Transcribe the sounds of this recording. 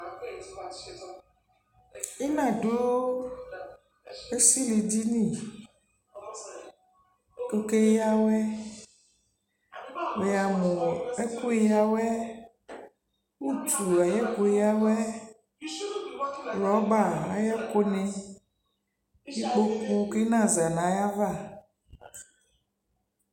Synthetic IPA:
i˦nã˨do˦wo˦ | e˦si˦li˨d͡ʑi˦nĩ˦˨ | ko˨ke˦ji˦a˦wɛ˦ | we˨a˨mõ˨e˦ku˦ji˦a˨wɛ˦ | wu˦t̪ʰu˨a˨jɛ˦ko˨ja˦wɛ˦ | ɾɔ˨˦ɡ͡ba˦˨a˨ja˦ko˦nɛ̃˨ | ji˦k͡po˦ku˦ke˦nã˦˨za˨nã˨˦ja˦va˦˨

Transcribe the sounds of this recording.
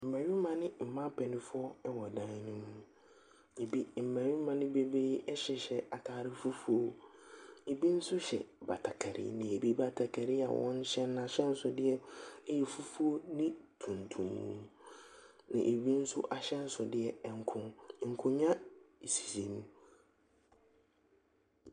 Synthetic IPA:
m̩˨mã˨ɥi˦mã˨nɪ̃˦m̩˨mã˦pʰɛ˨nɪ̃˦fʊ˦ɔ˦ɛ˦wɔ˨dã˦n˦nɪ̃˦mũ˨ | e˨bi˦m̩˨mæ̃˨ɥi˦mã˨nɪ̃˦be˦be˦ɛ˦ɕɛ˨ɕɛ˨a˨kʰaː˨ɾɪ˦fu˦fu˦o˦ | e˨bi˦n̩˦sʊ˦ɕɛ̰˨ba̰˨tʰa˨kʰa˨ɾɪ̰˦˨nɪ̃˨e˨bi˦ba˨tʰa˨kʰa˨ɾɪ˦a̰˨wɔ̰̃˦ɲ̩˦ɕɛ˦n˦ã˨ɕɛ˦n̩˦sʊ˨dɪ˦ɛ˦jɛ˨fu˦fu˦o˦nɪ̃˦tʰũ˨ntʰũ˨mːṵ̃˦ | nã̰˨ʔe˨bi˦n̩˦sʊ˦ʔa˨ɕɛ˦n̩˦sʊ˨dɪ˦ɛ˨ɛ˨ŋ̩˨kʰʊ̃˦ŋ˨ŋ̩˨kʰʊ̃˦ɲã˦e˨si̥˨si˨mũ˦

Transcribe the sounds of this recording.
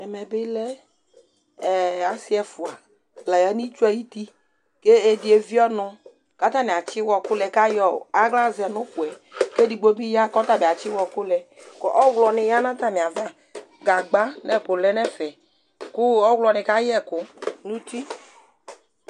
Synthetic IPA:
ɛ˨mɛ˨bɪ˦lɛ˦˨ | a˨si˦ɛ˨fu˨a˨ | lɛ˨jɛ˦ni˦t͡ʃu˦ɛ˦ji˦t̪i˦ | ke˦e˦di˨e˨vi˦ɔ˦nʊ̃˨ | ka˦t̪a˦mĩ˨a˨t͡ʃɪ˦wɔ˨kʊ˦lɛ˨ka˦jɔ̰˦˨a˦ɡla˦zɪ˨ɛ˨nʊ̃˦ku˨ɛ˨ke˦di˨ɡ͡bo˦bi˦ja˦kɔ˦t̪a˦˨be˨a˨t͡ʃɪ˦wɔ˨kʊ˦lɛ˨kɔ˨ʔɔ˦wlɔ˨nɪ˨ja˦nã˦t̪a˦mĩ˨a˨va˦ | ɡa˨ɡ͡ba˦nɛ˦˨kʊ˨lɛ˦nɛ˦fɛ˨ | kʊ˦ɔ˦wlɔ˨nɪ̃˨ka˦jɛ˦kʊ˦nũ˦t̪i˦

